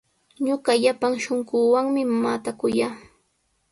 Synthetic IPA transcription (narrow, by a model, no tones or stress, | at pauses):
ɲʊɢɑʎapaŋʃoŋɢʊːwaŋmɪmaːt̪akʊjaː